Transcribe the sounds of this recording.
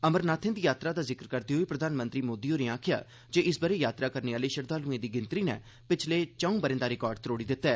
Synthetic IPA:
əməɾnaːt̪ʰẽnd̪iːjaːt̪ɾaːd̪aːzɪkəɾkəɾd̪iːɦoːiːpɾəd̪ʱaːnmə̃nt̪ɾiːmoːd̪iːoːneːãːkʰɪja̰ː | d͡ʒeːʔɪsbəɾeːjaːt̪ɾaːkəɾneːaːləiːʃəɾd̪aːlũːẽːd̪iːɡɪnt̪ɾiːnɛ̰ː | pɪt͡ʃʰleːt͡ʃəːũːbəɾẽːnd̪aːɾɪkɔːɾɖ̚t̪ɾoːɽiːd̪ɪt̪ːɛː

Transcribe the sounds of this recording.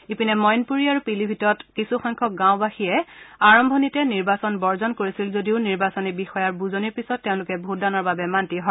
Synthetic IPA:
ipinɛmɔjnpuɹiaɹupilibʱitɔɹɔtkisuxɔjŋkʰɔk̚ɡãwbaxiɛaɹɔmbʱɔnitɛniɹbasɔnbɔɹzɔnkoɹisilzodiʊniɹbasɔnibixɔjaɹbuzoniɹpisɔtːɛʊ̃lʊkɛbʱutdanɔɹbabɛmantiɦɔ

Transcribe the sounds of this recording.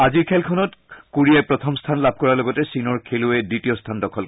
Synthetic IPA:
aziɹkʰɛlkʰɔnɔtkuɹiajpɹɔtʰɔmstʰanlab̚ʱkɔɹalɔɡɔtɛsinɔɹkʰelʊɛditijɔstʰandɔkʰɔl

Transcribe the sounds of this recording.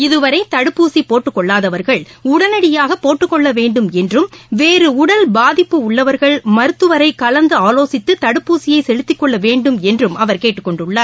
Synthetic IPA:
ɪðɯʋɐɾɐɪt̪ɐɽɯpːuːsipːoːʈːɯkːɔɭːaːðɐʋɐɾɣɐɭʊɽɐnɐɽɪjaːɣɐpːoːʈːɯkːɔɭːɐʋeːɳɖɯmɛndrɯmʋeːɾɯʊɽɐlbaːðɪpːɯʊɭːɐʋɐɾɣɐɭmɐɾɯt̪ːɯʋɐɾɐɪkːɐlɐnd̪ɯaːloːsɪt̪ːɯt̪ɐɽɯpːuːsɪjɐɪsɛɻɯt̪ːɪkːɔɭːɐʋeːɳɖɯmɛndrɯmʔɐʋɐɾkeːʈːɯkːɔɳɖɯɭːaɾ

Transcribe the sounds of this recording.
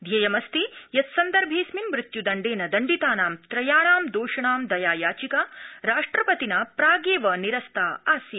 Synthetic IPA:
d̪ʱjɐjɐmɐst̪ijɐt̪sɐnd̪ɐɾbʱeːsminʋɾɪt̪jud̪ɐɳɖeːnɐd̪ɐɳɖit̪aːnaːmt̪ɾɐjaːɳaːmd̪oːʂɐɳaːmd̪ɐjaːjaːt͡ʃikaɾaːʂʈɾɐpɐt̪inɐpɾaːɡeːʋɐniɾɐst̪ʰaːaːsjɐ

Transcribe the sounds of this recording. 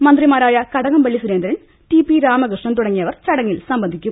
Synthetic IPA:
mɐnd̪rimaːɾaːjɐkɐɽɐɣɐmʋɐɭːisuɾend̪ɐɾɐn | ʈipiɾaːmɐɡrɨʂɳɐnt̪uɽɐŋːijɐʋɐrt͡ɕɐɽɐŋːilsɐmbɐnd̪ʱikʲːum

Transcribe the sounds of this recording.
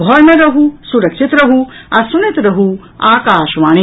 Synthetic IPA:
bʱɔːɾmeɾɐɦusuɾɐkʃit̪ɾɐɦuɐsunɐt̪ɾɐɦu | aːkaːʃʋaːni

